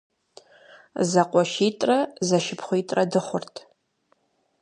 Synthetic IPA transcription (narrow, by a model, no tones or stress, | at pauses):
zaqʷʼɔʃitʼrɐzɐʃɪpʰχʷʊitʼrɐdɨχʷʊrtʰ